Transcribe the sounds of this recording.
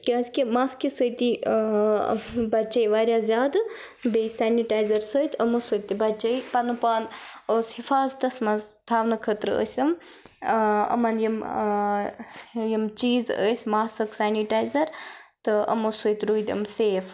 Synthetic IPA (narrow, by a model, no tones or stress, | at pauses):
kʲiɐskimaːskisəjt̪i | bɐt͡ʃɐjʋaːɾjaːzʲjaːd̪ | besaːniʈaːjzɐɾsəjt̪ʰɐmosət̪ibɐt͡ʃɐjpɐnupaːnoːshifaːzt̪ɐsmɐzt̪ʰaːʋnɐkʰət̪ɾə̰sʲəm | ɐ̰mɐnjim | jimt͡ʃiːzə̰jsʲmaːsɐksaːniʈaːjzɐɾt̪ɨɐ̰mosəjt̪ɾuːjd̪ə̰mseːf